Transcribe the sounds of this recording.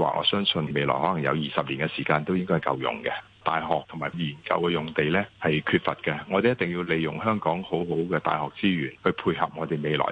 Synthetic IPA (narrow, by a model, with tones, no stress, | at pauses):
wa̰ː˨˩ʔɔ̰ː˨˧sœː˥ŋsɵ˧nme˨˧lɔ̰ː˨˩jhɔː˨˥lɐ˨˩ŋjɐ̰˨˧wjiː˨˩sɐ˨p̚liː˨˩nɡɛ˧siː˨˩kaː˧nt̪o˥wjɪ˥ŋkɔ˥hkɐ̰˧wjʊ̰˨ŋkɛ˧ | t̪aː˨jɦɔː˨k̚t̪ʰʊ˨˩ŋmaː˨˩jiː˨˩nkɐ̰˧wkɛ˧jʊ˨ŋt̪e˨jlɛː˥hɐ˨jkʰyː˧t̚fɐ˨t̚kɛ˧ŋɔː˨˧t̪e˨jɐ˥t̪ɪ˨ŋjiː˧wle˨˧jjʊ̰˨˩ŋɦœː˥ŋkɔː˨˥ŋho˨˥wɦo˨˥wkɛː˧t̪a̰ː˨jhɔː˨k̚t͡siː˥jyː˨˩nhɵ˧ɥpʰuː˧jhɐ̰˨p̚ŋɔː˨˧t̪e˨jme˨˧jlɔ̰ː˨˩j